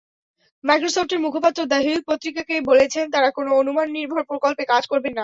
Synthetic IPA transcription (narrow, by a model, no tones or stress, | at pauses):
majkɾosofʈeɾmukʰopat̪ːɾod̪aɦilpot̪ːɾikakebolet͡ɕʰent̪aɾakonoonumanːiɾbʱoɾpɾokolpekad͡ʑkoɾbenːa